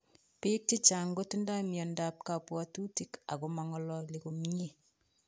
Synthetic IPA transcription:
pi˦k̚ti˦t͡ʃa˨ŋɡo˦tu˦nda˦mjɔ˨nda˨p̚ka˨pwɔtu˦tika̰˨kumaŋɔ˨lɔ˨li˨kumi˦ɲe˦

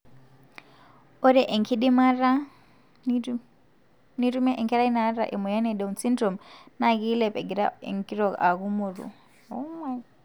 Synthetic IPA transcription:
ɔ˦ɾɛ˦ʔɛ˨ŋkʰi˦ɗi˦ma˦ɾa˦ | niɾu˦mɛ˦ʔɛ˨ŋkʰɛ˦ɾa˦i˦na˦ɾa̰˨ʔɛ˨mɔ˨ja˦nɛ˨ɗɛ˨unt͡si˦ndɾɔ˨mna˦ki˦lɛ˨pɛ˨ɡi˨ɾa̰˦ɛ̰˨ŋki˦ɾɔ˨ka˨ku˦mu˨ɾṵ˨ | ɔ˨mwa˦

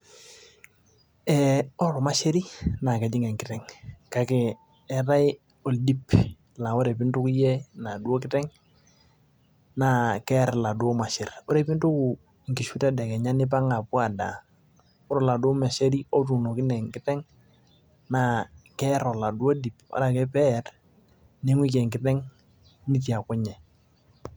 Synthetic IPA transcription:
ɛɔ˦ɾɔ˨ma˦ʃe˦ɾi˦na˨kɛ˨d͡ʒɪ˦ŋɛ˨ŋkɪ˦tɛ˨ŋka˦kɛ˨ | ɛ˨ɾa˦ɪ | o˨ldi˦p | la˨ɔ˦ɾɛ˨pɪ˦ntu˦ki˦jɛ˦na˨du˦o˦kɪ˦tɛ˦ŋ | na˨kɛ˦ɾla˨dwɔ˦ma˨ʃɪ˨rɔ˦ɾɛ˨pi˦ntu˦ku˨ | ŋki˨ʃu˦tɛ˦dɛ˨kɛ˨ɲa˦nɪ˦p̬a˦ŋa˨pwa˨da̰˨ | ʊ˦ɾɔ˨la˨dʊ˦mɛ˨ʃe˦ɾi˦o˦t̬u˨no˨kɪ˦nɛ˨ŋkɪ˦tɛ˦ŋ | na˨kɛ˦ɾɔ˨la˨du˦o˦di˨pa̰˦ɾa˨kɛ˦pɛ˦t | ne˦ŋwi˦k̬e˨ŋkɪ˨˦tɛ˦ŋ | ni˦ti˨a˨kʊ˦ɲɛ˨

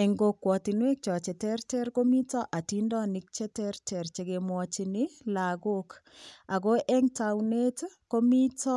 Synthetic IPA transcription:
ɛ˨ŋɡo˨kːwɔ˨ti˨nwe˦k̚t͡ʃɔ˨t͡ʃɛ˨tɛ˦rtɛ˦rko˦mi˦tɔ˦ʔa˨ti˦ndɔ˦ni˨k̚t͡ʃɛ˦tɛ˦ɾtɛ˨ɾt͡ʃe˨ɡe˨mwɔ˨t͡ʃi˨ni˦la˨ɡo˦k | a˨ɡo˦ʔɛ˦ŋtawne˦tko˦mi˦tɔ˦

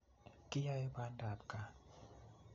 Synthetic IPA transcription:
ki˦ja˧jba˧˦nda˨p̚ka˨

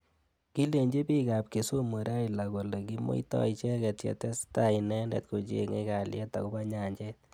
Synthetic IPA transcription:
ki˦le˨ɲd͡ʒe˦bi˦ka˨p̚ke˨so˦mo˨ɾa˦ila˨ɣo˨le˨ki˦mo̰˦i˦tɔ̰˦it͡ʃɛ˦kɛ˨tjɛ̰˨tɛ˦sta˦˨i˨nɛ˦ndɛ̰˨tko˨t͡ʃḛ˨ŋḛ˦ka˨ljɛ̰˦ta̰˨ko˦ba˦ɲa˨ɲd͡ʒɛ˦t

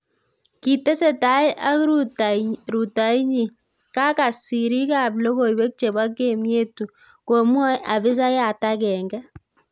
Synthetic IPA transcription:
ki˨tɛ˦se˦˨ta˨jʔa˦ku | ɾu˨ta˨i˦ɲi˨ | ka˦ka˨si˨ɾi˦ka˨blɔ˦ɣo˨i˨wɛ˦k̚t͡ʃe˨ba˦kːe˦˨mje˦tu˨ | ko˨mwɔ˦ja˨βɪ˦s̬a˦ja˨ta˦kɛ˨ŋɡɛ˦

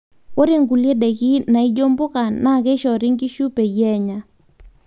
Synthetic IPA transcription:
wo˦ɾe˦˨ŋɡu˨lje˦ɗɛ˨ɣi˦na˨i˦d͡ʒo˦mbo˦ka˨na˦˨ɣɛ˦ʃɔ˨ɾi˦ŋɡi˦ʃu˦pɛ˨jɛ˦ɲa˨

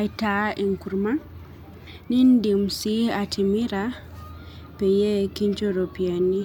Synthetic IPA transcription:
ajtaʔi˨ŋku˨ɾma˦n | ni˦ndi˨msi˦a˨tʰi˨mi˦ɾa | pɛ˨jɛ˦ki˦ɲt͡ʃoɾo˨pia˨nːi˦

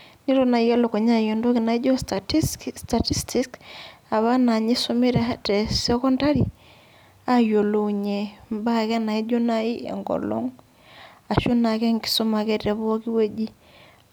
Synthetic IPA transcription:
ni˦ɾo˦na˨ja˦lo˨ko˨ɲa˦˨jo˨ndo˦ki˨na˨i˦d͡ʒɔ˦ | sta˨ti˦stʰi˦ka˨βa˦na˨ɲi˦so˦mi˦ɾa˦tɛ˨sɛ˦kɔ˦nda˦ɾi˨ | a˦jo˨lo˨ɲe˨mba˦kɛ˦na˨i˦d͡ʒo˦na˦i˦ḛ˨ŋɡɔ̰˨lo̰˦ŋ | a˨ʃo˦na˨kɛ˦ŋki̥˦so˦ma˨kɛ˦tɛ˨βɔ˦ki˦we˦d͡ʒi˦

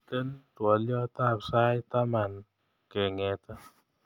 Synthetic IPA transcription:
t̪e˦ntwɔ˨ljɔ˦t̪a˦psa˦jt̪a˦ma˨n | kɛ˨ŋɛ˨t̪ɛ˦

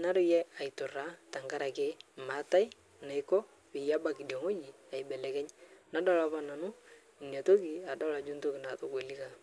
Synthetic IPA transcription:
na˦ɾʊ˦jɛ˦a˨ɪ˨tʊ˨ra˦ta˨ŋɡa˦ɾa˨ke˦ma˨˦ta˦ɪ˦ | na˨ɪkɔ˦ | pɪ˨ja˦ba˨kɪ˨do˨ŋo˦d͡ʒi˨ | a˨ɪ˨bɛ˨lɛ˨kɛ˦ɲna˦dɔ˦la˦pa˦na˨nʊ˦ | i˨nja˨to˦kɪ˨a˨dɔ˦la˨d͡ʒu˦nto˦kɪ˨na˨to˨ke˨li˦ka˦

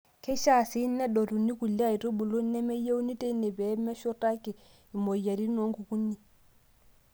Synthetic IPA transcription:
kʰɛ˦ʃa˦˨si˦nːɛ˦ɗɔ˨ɾu˨nːi˦ku˨lːa˦i˨ɾo˦bu˨lo˦nː˦ɛ˦mɛ˦je˦u˦ni˦te˦nɛ˨bɛ˨˦mɛ˦ʃɔ˦ta˦kɛ˨ | i˨mɔ˨ja˨ɾi˦nɔ˨˦ŋɡu˨ku˦nːi˦˨

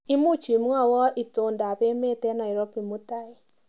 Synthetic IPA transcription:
ɪ˦mu˦t͡ʃi˨m˦ŋa˦˨wɔ˦ʔi˨to˨nda˨pe˦me˦tɛ˦na˨ɪ˨ɾɔ˦pi˨mu˦ta˦ɪ˨

